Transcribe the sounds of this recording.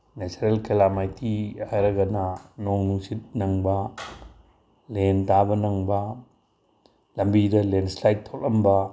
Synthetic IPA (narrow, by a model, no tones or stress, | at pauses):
net͡ʃɐɾelkelamajtʰihajɾɐɡɐnɐnoŋnuŋsit̚nɐŋbɐ | lentabɐnɐŋbɐ | lɐmbidɐlenslajt̚ʰːowlɐmbɐ